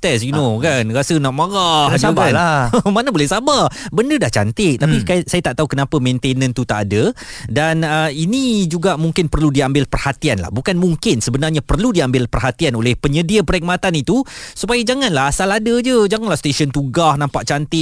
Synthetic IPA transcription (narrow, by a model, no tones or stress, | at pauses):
t̪ɛsjunokanrasənaʔ̚məɾahakaəmanəbolɛhsababəndədaht͡ʃant̪ɪk̚t̪apikajsajat̪aʔt̪aɦukənapəmẽnt̪enə̃nt̪ut̪aʔadədanəinĩd͡ʒuɡaʔmuŋkɪnpərludiambɪlpərhat̪ianla̰hbukanmuŋkɪnsəbənarɲapərludiambɪlpərɦat̪ianolɛhpəɲədiəpəɾɛk̚mat̪anit̪usupajad͡ʒaŋanlaɦasaladəd͡ʒəd͡ʒaŋanlahst̪eʃənt̪uɡahnãmpaʔt͡ʃant̪ɪ